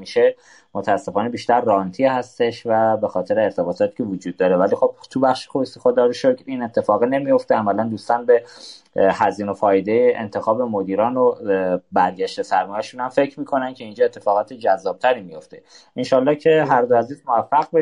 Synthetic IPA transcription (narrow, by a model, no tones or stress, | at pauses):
miʃe̞ | mot̪ʰæːsːe̞fɒːnebiːʃt̪æɾːɒːnt̪ʰiːhæst̪e̞ʃvæbe̞xɒːt̪ʰe̞ɾeːɾt̪ʰe̞bɒːt̪ʰɒːt̪ʰi̥ːcʰe̞vod͡ʒuːd̪ːɒːɾevæliːxo̞b̥̚t̪ʰubæχʃe̥xosixod̪ɒːɾiʃokʰɾine̞t̪ʰːe̞fɒːɣine̞mijo̞ft̪eæmælænd̪ust̪ɒːnbe̞ | hæziːno̞fɒːjed̪ejeʔḛnt̪ʰe̞xɒːbemod̪iːɾɒːnobæɾɟæʃt̪esæɾmɒːjæʃunhæmfe̞cʰɾmiːkʰo̞næncʲʰe̞ind͡ʒɒːet̪ʰːe̞̥fɒːɣɒːt̪ʰed͡ʒæzːɒːb̚t̪ʰæɾiːmijo̞ft̪e | inʃɒːlːɒːcʰe̞ɦæɾd̪oæziːzmovæfːæɣbe